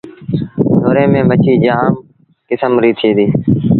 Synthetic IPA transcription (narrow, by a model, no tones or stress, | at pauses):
doːɾẽːmẽːmət͡ʃiːd͡ʒaaːm | kɪsəmɾiːt̪ʰeːd̪iː